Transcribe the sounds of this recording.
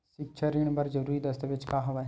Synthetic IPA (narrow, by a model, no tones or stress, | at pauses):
ʃɪkt͡ʃʰəɾiɳ̃bəɾd͡ʒəɾuːɾid̪əst̪ʰaʋɪt͡ʃkaːɦoʋa